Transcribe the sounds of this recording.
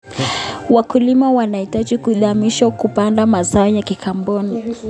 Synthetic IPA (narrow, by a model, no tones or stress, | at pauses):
wakulimawanaitaʄikuðamiʃakupandamazaɔjakikʰambɔni